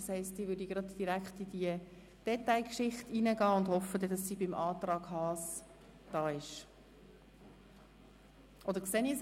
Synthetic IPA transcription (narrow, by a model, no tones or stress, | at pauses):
shɛɪstdiːʋʏdiɡ̥ɾɑtd̥iɾækχtid̥iə | d̥ɛtaɪkʃɪχtiːnəɡɑːʊndhɔfːədɛd̥ɑsːiːbɪmʔɑːt̪rɑːɡ̥hɑːs | d̥ɑːɪʃ | ʔɔdəɾkseːnis